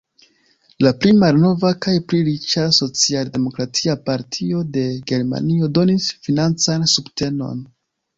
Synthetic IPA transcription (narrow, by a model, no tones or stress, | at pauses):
laplimalno̞vakajpɾiɾit͡ʃaso̞t͡sialde̞mo̞kɾatʰiapaɾtʰio̞de̞ɡe̞ɾma̰nio̞do̞nisfinant͡sansubte̞no̞̰n